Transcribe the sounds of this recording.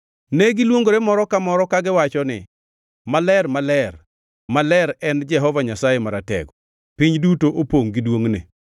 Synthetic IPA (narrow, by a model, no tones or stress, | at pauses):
neɡɪlwoŋɡoɾemɔɾɔkamɔɾɔkaɡɪwat͡ʃɔnɪ̰ | malɛrmalɛr | malɛɾɛnd͡ʒɛɦɔvaɲasajemaɾatɛ̰ɡɔ | piɲdutoʔopoŋɡɪdwoŋnɪ̰